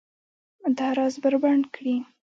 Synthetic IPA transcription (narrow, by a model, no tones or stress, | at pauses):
d̪aɾɑzbəɾbaɳɖkɽi